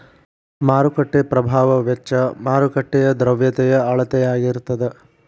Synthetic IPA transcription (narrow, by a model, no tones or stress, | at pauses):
maːɾukɐʈːepɾɐbʱaːʋɐʋɛt͡ʃːɐmaːɾukɐʈːɛjɐd̪ɾɐʋjɐt̪ɛjɐɐɭɐt̪ɛjaːɡiɾut̪ːɐd̪e